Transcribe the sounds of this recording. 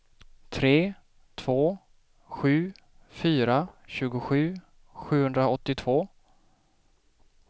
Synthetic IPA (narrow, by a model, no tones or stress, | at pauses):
t̪ʰɾeː | t̪ʰv̥oː | ɧʉ̟ː | fyːɾaɕʉ̟ːɡʊɧʉ̟ː | ɧʉ̟ːhɵnd̪ɾaɔt̪ːɪt̪ʰv̥oː